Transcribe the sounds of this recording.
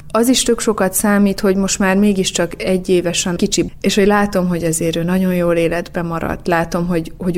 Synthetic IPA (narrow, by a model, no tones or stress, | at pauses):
ɒziʃt̪ø̞kʃo̞kɒt̪saːmiːt̪ho̞ɟmo̞ʃt̪maːrmeːɡiʃt͡ʃɒkɛɟːeːvɛʃɛnkit͡ʃieːʃho̞ɟlaːt̪o̞mɦo̞ɟɛzeːɾøːnɒɟo̞njoːleːlɛd̪bɛmɒɾɒ̰t̪ːlaːt̪o̞mɦo̞ɟho̞ɟ